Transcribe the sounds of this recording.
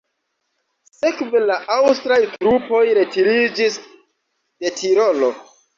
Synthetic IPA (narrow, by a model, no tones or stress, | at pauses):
se̞kvelaʔawstɾajtɾupo̞jɾe̞tiɾid͡ʒis | de̞tʰiɾo̞lo̞